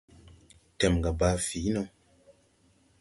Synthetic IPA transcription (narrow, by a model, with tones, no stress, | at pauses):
tɛ˨m˨ɡa˨baː˧˦fi˨˦nɔ˧